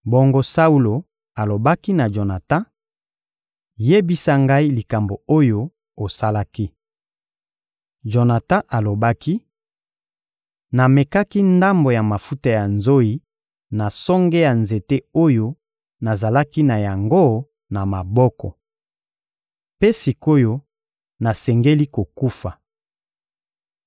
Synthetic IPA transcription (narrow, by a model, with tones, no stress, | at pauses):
bo˦ŋɡo˦sa˦u˦lo˨ | a˨lo˨ba˦ki˦na˨ʒo˨na˨ta˦ | je˦bi˦sa˦ŋɡa˦i˦li˨ka˨mbo˨o˦jo˦ | o˨sa˦la˦ki˦ | ʒo˨na˨tã˦ʔa˨lo˨ba˦ki˦ | na˨me˨ka˦ki˦nda˦mbo˨ja˨ma˨fu˦ta˦ja˨nzo˦i˦ | na˨sɔ˦ŋɡe˦ja˨nze˨te˦o˦jo˦ | na˨za˨la˦ki˦na˨ja˨ŋɡo˦ | na˨ma˨bɔ˦kɔ˨ | pe˦si˨ko˦jo˦ | na˨sɛ˨ŋɡe˦li˦ko˨ku˦fa˨